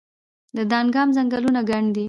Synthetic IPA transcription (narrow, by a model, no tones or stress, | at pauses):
d̪əd̪ɑnɡɑmzaŋɡalunaɡaɳd̪i